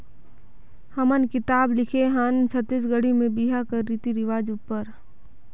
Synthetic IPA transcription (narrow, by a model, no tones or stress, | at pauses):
həmənkɪt̪aːblɪkʰeɦaːnsʰət̪ɪsɡəɽimẽbiɦakɐːit̪iɾɪʋaːd͡ʒʊpːəɾ